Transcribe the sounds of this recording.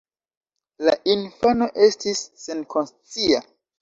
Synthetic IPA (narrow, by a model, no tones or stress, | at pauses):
laʔinfano̞ʔe̞stʰisːe̞nkʰo̞nst͡sia